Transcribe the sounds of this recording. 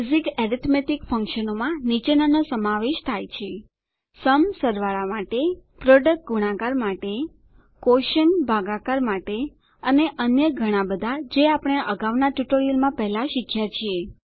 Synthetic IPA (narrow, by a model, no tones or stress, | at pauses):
zikɛɾit̪ʰmeʈikfəŋkʃənomãnit͡ʃenanosəmaʋeʃt̪ʰajt͡ʃʰe | səmsəɾʋaɭamaʈepɾoɖək̚ʈ̚ɡuɽ̃ãkaɾmaʈe | koʃənbʱaɡakaɾmaʈe | əneʔənjəɡʱəɽ̃abəd̪ʱad͡ʒeapəɽ̃eʔəɡaʋnaʈjuʈoɾijəlmãpɛɦlaʃikʰjat͡ʃʰie